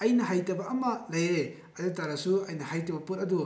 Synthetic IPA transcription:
ɐjnɐɦajtɐbɐʔːmɐlɐje | ɐdɐtaɾɐsuɐjnɐhajtɐbɐputɐdu

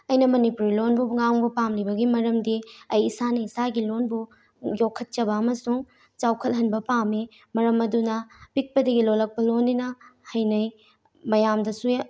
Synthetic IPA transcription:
ɐjnɐmɐnipuɾilonbuŋaŋbupamlibɐɡimɐɾɐmdiɐjːsanɐisaɡilonbu | jokʰɐt̚t͡ʃɐbɐːmɐsuŋ | t͡ʃawkʰɐlɦɐnbɐpami | mɐɾɐmɐdunɐpik̚pɐdɐɡilolɐk̚pɐlonːinɐhɐjnɐj | mɐjamdɐsu

